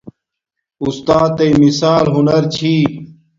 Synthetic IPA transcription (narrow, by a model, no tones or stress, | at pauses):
ust̪aːt̪ejmisaːlɦunɐɾt͡ɕʰiː